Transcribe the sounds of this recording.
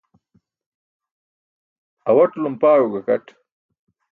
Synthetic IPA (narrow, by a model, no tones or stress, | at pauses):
ɐwɐʈlumpaːɻuɡɐkɐʈ